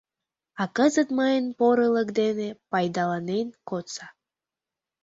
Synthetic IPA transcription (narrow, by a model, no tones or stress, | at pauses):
ɑkəzət̪məjənpoɾələkd̪enepɑjd̪ɑlɑnenkot͡sɑ